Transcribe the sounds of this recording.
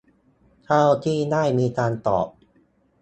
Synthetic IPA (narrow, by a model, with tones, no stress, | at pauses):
t̪ʰaː˥˩wt̪ʰiː˥˩naː˥˩jmiː˧kaː˧nt̪ɔ̰ː˨˩p̚